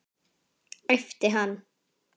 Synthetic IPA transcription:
ɛft̪əɦan

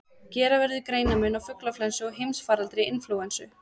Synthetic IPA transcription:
cɛːɾavɛɾðɪkɾeːjnamʏnawfʏklaflɛnsʏɔɣɦejmsfaːɾalt̪ɾɪɪnfluwɛnsʏ

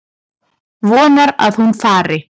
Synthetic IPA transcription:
vɔːnaɾa̰ðhunfaːɾɪ

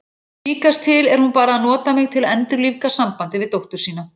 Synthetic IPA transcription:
liːkast̪ʰɪlɛɾ̥hunpaːɾaaðnɔːt̪amɪɣt̪ʰɪlɛnt̪ʏɾlivkasampant̪ɪvɪðt̪owht̪ʏɾ̥siːna

